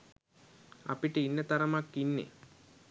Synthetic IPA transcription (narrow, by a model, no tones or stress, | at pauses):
a̰piʈəinːət̪ɐɾɐmakːinːḛ